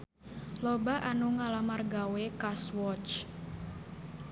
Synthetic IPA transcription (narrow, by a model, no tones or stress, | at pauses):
lɔbaʔanuŋalamarɡawekaswɔt͡ʃ